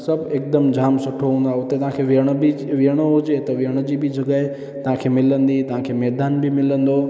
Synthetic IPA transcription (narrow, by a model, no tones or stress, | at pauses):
sɐbʱeːk̚d̪əmd͡ʑʱaːmsʊʈʰoɦũːnd̪aːɦʊt̪et̪ɐʋ̤ɦãkʰeʋɪəɽ̃bɪʋiəɽ̃oɦʊd͡ʑet̪ɐʋiɦəɽ̃d͡ʑiːbɪd͡ʑʱɐɡə | t̪ɐɦãkʰeːmɪlə̃nd̪it̪ɐʋ̤ãkʰeːmɛːd̪aːnbɪmɪlə̃nd̪o